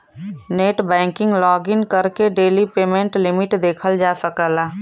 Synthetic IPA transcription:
neːʈbɛ̃ːŋkɪ̃ŋɡlɔːɡɪnkəɾkeɖeːlipeːmẽɳʈlɪmɪʈd̪eːkʰəld͡ʒaːsəkəlaː

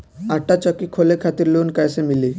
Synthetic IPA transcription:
aʈːat͡ɕɔkikʰolekʰat̪iɾlonkajsemili

